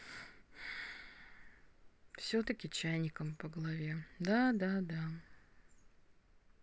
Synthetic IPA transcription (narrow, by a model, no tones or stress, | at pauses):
fsʲot̪əkʲɪt͡ɕæjnʲɪkəmpəɡəlˠɐvʲe̞d̪ad̪ad̪a